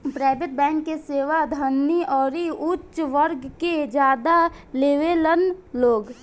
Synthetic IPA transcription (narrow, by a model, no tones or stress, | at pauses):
pɾaːɪbeʈ̚bɛ̃ːŋkːeseːʋad̪ʱənːiɔːɾiʊtːʃʋəɾɡked͡ʒjaːd̪aleːʋelənloːɡ